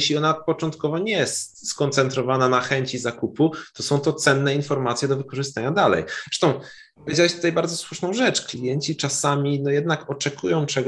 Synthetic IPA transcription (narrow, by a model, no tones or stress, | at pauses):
ɕlʲiɔnapɔt͡ʂɔnt̪kɔvɔɲɛjɛst̪skɔnt̪sɛnt̪ɾɔvananaxɛɲt͡ɕizakuput̪ɔsɔ̃w̃t̪ɔt̪sɛnːɛinfɔɾmat̪sʲjɛd̪ɔvɘkɔʐɘst̪aɲad̪alɛ̰jɾɛʂt̪ɔ̃w̃ | pɔvʲjed͡ʑawɛɕt̪ut̪ajbaɾd̪zɔswuʂnɔ̃w̃ʐɛt͡ʂklʲijɛɲt͡ɕit͡ʂasamʲinɔjɛd̪nakɔt͡ʂɛkʰujɔ̃w̃t͡ʂɛɡ